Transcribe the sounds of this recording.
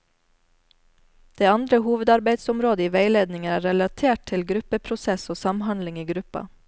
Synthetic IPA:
d̪̥eːɑnd̪ɾəhuːʋəd̪ɑɾbæɪd̪sʊmɾoːd̪əiːʋeɪleːd̪nɪŋəæːɾɛlɑt̪ʰeːʈ̚t̪ʰɪlɡɾʉpəpʰɾʊsɛsoːsɑmhɑnd̪lɪŋiːɡɾʉpɑ̰

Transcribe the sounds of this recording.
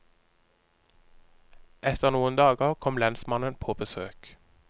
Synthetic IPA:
ʔɛt̪ʰəʁnuːənd̪ɑːɡəʁkʰɔmlɛnsmɑnənpʰoːbəsøːk

